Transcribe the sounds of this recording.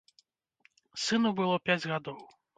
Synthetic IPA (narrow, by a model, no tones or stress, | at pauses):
sɨnubɨlˠɔpʲad͡zʲɣad̪ɔw